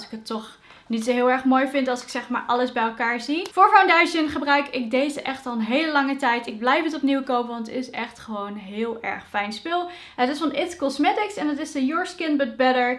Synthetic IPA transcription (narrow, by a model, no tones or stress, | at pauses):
lˠsɪ̥kɦətːɔχ | nitsoɦɪːlˠɛɹχmoːjfɪntɑlˠsɪ̥ksɛχma̰ːɹʔɑləzbɛjɛlˠkaːɹzifʊːɹfawndaʒənχəbrœɥkɪk̚dejzəʔɛχtɑlˠənɦejləlɑŋətɛjtɪɡ̚blɛjfətɔpniwkowpəʋɑntɪsɛχtχəʋownɦɪːlˠɛ̰ɹχfɛjnspɪlˠ | ɦətɪsfɑnɪtkɔsmɛtɪksɛnətɪsəjɔːɹskɪnbət̚bɛɾəɹ